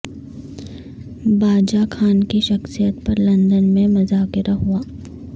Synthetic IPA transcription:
baːd͡ʒakʰaːnkiʃɐxsijət̪̚pɐɾlɐ̃nd̪ənmẽmɐzaːkɪɾaɦuaː

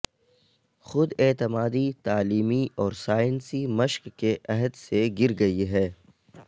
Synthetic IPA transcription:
xʊd̪eːt̪ɪmaːd̪it̪aːliːmiɔːɾsaːjənsimɐʃkːeʔɛɦəd̪seɡɪɾɡɐiɦɛː

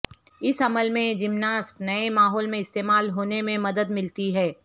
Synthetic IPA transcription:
ɪsɐməlmẽd͡ʒɪmnaːsʈnɐemaːɦɔːlmẽɪst̪eːmaːlɦoːnemẽmɐd̪əd̪mɪlt̪iɦɛː

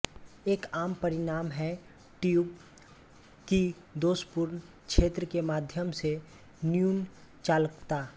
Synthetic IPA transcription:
eːkaːmpɐɾɪnaːmɦɛ | ʈijuːb | ki | d̪oːʃpʊɾn | kʃʰeːt̪ɾəkemaːd̪ʱjəmse | njuːnt͡ʃaːlkt̪aː

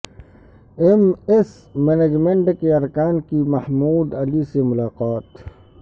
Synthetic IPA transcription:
emɪs | mened͡ʒmeɳʈkeɐɾkaːnkimɐhmuːd̪ɐlisemʊlaːqaːt̪

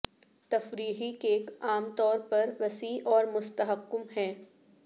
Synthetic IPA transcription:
t̪ɐfɾiːɦikeːkaːmt̪ɔːɾpɐɾʋɐsiːʔɔːɾmʊst̪ɐɦəqːʊmɦɛ̃ː

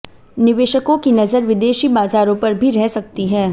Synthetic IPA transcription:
nɪʋeːʃəkõkinɐzəɾʋɪd̪eːʃibaːzaːɾõpɐɾbʱiɾɛɦsɐk̚t̪iɦɛ̃ː

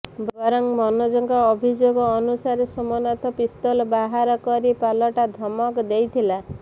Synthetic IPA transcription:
bbɔɾɔŋmɔnɔd͡ʒɔŋkɔːbʱid͡ʒoɡɔːnusaɾesɔmɔnɔt̪ʰɔpist̪ɔlɔbaɦaɾɔkɔɾipalɔʈad̪ʱɔmɔkd̪ejt̪ʰila

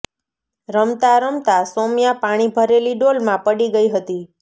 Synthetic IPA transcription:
ɾəmt̪aɾəmt̪asomjapaɽ̃ibʱəɾeliɖolmãpəɽiɡəiɦət̪i

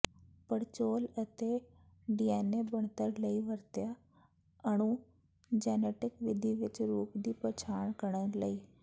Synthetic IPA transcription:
pəɽt͡ʃoːlət̪eː | ɖiːɛːneːbəɳt̪əɾləiːʋəɾt̪ɪjaː | əɳ̃ũː | d͡ʒɛːneːʈɪkʋɪd̪ʱiːʋɪt͡ʃɾuːpd̪iːpət͡ʃʰaːɳkəɾɳələiː

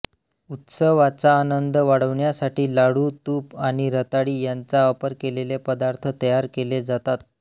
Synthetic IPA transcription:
ut̪səʋat͡saːnənd̪əʋaɽəʋɳjasaʈiːlaɽuːt̪uːpaɽ̃iɾət̪aɽiːjant͡saəpəɾkelelepəd̪aɾt̪ʰət̪əjaɾkeled͡zat̪at̪̚

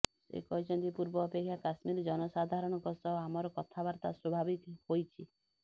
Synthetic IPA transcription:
sḛkɔɦit͡ʃʰɔnt̪ipuɾbɔːpekʰːjakasmiɾɔd͡ʒɔnɔsad̪ʱaɾɔɽ̃ɔkɔsɔamɔɾɔkɔt̪ʰabaɾt̪a̰swɔbʱabikhojt͡ʃʰi

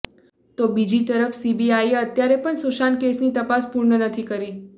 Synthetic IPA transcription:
t̪obid͡ʒit̪əɾəfsibiajət̪jaɾepəɳsuʃankesnit̪əpaspuɾɳənət̪ʰikəɾi

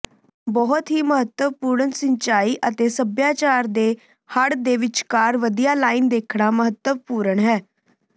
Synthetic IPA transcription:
bɔːt̪ɦiːməɦət̪ːəʋpuːɾənsəɲt͡ʃaːiːʔət̪eːsəbjaːt͡ʃaːɾd̪eː | həɽd̪eːʋɪt͡ʃkaːɾʋəd̪ijaːlaːiːnd̪eːkʰɽaːməɦət̪ːəʋpuːɾəɳɦɛː

